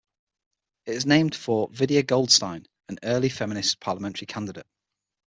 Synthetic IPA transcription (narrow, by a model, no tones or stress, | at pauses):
ɪtɪznẽɪ̃md̥fəvɪdiəɡɒʊlˠd̥stãɪ̃n | ə̃nɜːlɪfɛmɪnɪspʰɑːləmɛ̃nt͡ʃʰəɹikʰãndɪdə̰ɪʔ